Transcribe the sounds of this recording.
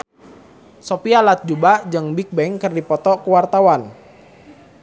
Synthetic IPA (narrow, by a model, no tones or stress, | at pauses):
sopialat̪̚d͡ʒubad͡ʒəŋbik̚bɛŋkɨrdipɔt̪ɔkəwart̪awan